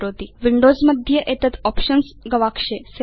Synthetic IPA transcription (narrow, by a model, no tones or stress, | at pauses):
ɾot̪iʋiɳɖozməd̪ʱːjəʔet̪ət̪ɔpʃənsɡɐʋakʂese